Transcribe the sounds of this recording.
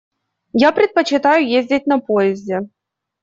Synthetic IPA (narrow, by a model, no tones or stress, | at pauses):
japɾʲɪt̪̚pət͡ɕɪt̪ajʊjezʲdʲɪt̚ʲnɐpojɪzʲdʲɛ